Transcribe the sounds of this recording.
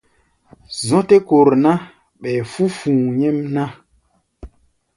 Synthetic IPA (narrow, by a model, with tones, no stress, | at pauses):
zɔ̃˦te˦ko˨ɾna˦ | ɓɛ˨fu˦fũː˨ɲɛ˦mna˦